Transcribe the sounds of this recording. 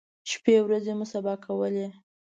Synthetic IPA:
ʃpewɾazemʊsabɑkʰawəle

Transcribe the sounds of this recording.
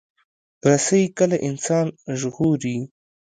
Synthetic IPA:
ɾasawikəlaʔɪnsɑːnʒɣoɾi

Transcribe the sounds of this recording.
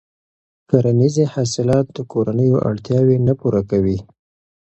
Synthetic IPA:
kaɾanizehɑsɪlɑt̪̚d̪əkoɾanəjoʔa̰ɽt̪jɑwenapuɾakawi

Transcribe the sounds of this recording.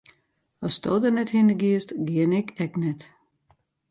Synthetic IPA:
ɑst̪ɔ̰ːd̪ənɛthɪnəɡiəstɡiənɪkɛknɛt̪

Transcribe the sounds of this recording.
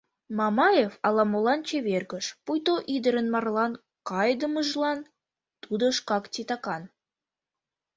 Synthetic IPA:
mɑmɑjefɑlɑmolɑnt͡ɕeβerɣə̆ʃpujt̪oʔid̪əɾə̆nmɑrlɑn | kɑjd̪əməʒlɑn | t̪ud̪oʃkɑktʲit̪ɑkɑn

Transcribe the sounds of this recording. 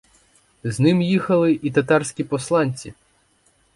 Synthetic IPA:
znɪmjixɐlˠɪʔit̪ɐt̪ɑrsʲkʲipɔslˠɑnʲt͡sʲḭ

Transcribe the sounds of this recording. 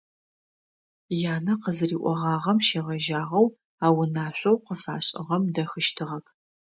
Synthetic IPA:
jaːnɐqəzɨriːʔʷʼɔʁɑːʁɐmʃeːʁɐʒaːʁɐw | aːwʊnaːɕʷɐwqəfaːɕʼɪ̰ʁɐmdɐxɨʃtʰɨʁɐkʰ

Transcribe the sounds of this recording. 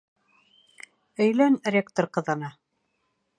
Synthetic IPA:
ɵ̆jlænrʲekt̪oɾqɤ̆ðɤ̆nɑ

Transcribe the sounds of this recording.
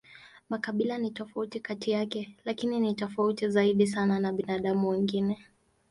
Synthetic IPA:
makaɓilanitɔfautikatijakɛlakininitɔfautizaiɗis̬ananaɓinaɗamuwiŋɡinɛ

